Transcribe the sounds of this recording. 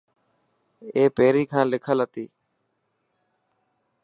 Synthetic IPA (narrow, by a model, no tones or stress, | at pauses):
eːpeːɾiːkʰãːlɪkʰəlɦət̪iː